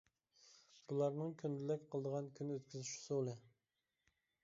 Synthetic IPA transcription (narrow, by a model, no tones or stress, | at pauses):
b̥ulˠɑɾnɨŋkʲʰynd̪ɪlɛkʲqʰəlˠəd̪əʁɑnkʲʰynøt̪kʲyzyʃsolˠɨ